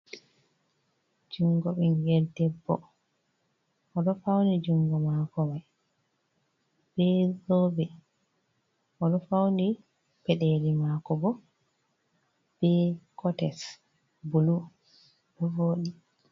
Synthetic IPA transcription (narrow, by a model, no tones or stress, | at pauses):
d͡ʒuŋɡɔɓiŋɡɛldɛbːɔ̰ | ʔɔɗɔfawnid͡ʒuŋɡɔmakɔmaj | b̥ɛzɔbɛ | ʔɔɗɔfawni | pɛɗɛlimakɔbɔ | b̥ɛkʰɔtɛs | bulu | ɗɔvoːɗi